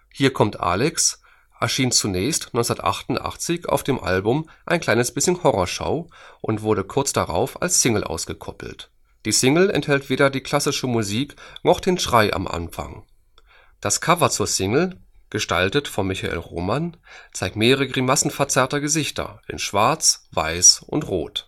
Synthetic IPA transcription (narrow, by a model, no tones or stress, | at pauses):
hiːɐkʰɔmtʔa̰ːlɛks | ʔɛɐʃiːnt͡sunɛːçstnɔʏnt͡sʊnɐtʔa̰χtʊntʔa̰χt͡sɪça̰ʊfd̥eːmʔa̰lbʊmʔaɪnkʰl̥aɪnəsb̥ɪsçənhɔʁɔʃa̰ʊʔʊntv̥ʊɐɾəkʰʊɐt͡sd̥aʁa̰ʊfa̰lsːɪŋl̩ʔa̰ʊsɡ̥əkʰɔpl̩t | d̥iːsɪŋl̩ɛ̰nthɛltv̥eːɾɐdiːkʰl̥asɪʃəmuziːknɔχd̥eːnʃʁ̥aɪʔa̰mʔa̰nfa̰ŋ | d̥askʰavɐt͡suːɐsɪŋl̩ | ɡ̥əʃtaltətfɔnmːɪçaʔḛːlʁo̰ːmant͡saɪk̚tmeːʁəʁəɡʁimasn̩fɛɐt͡sɛɐtɐɡəzɪçtʰɐ̰ʔɪ̰nʃv̥aɐt͡sv̥a̰ɪsʔʊ̰ntʁo̰ːt